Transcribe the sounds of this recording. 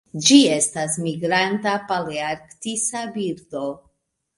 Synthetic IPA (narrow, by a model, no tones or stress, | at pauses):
d͡ʒie̞stasmiɡɾantapaliaɾktisabiɾdo̞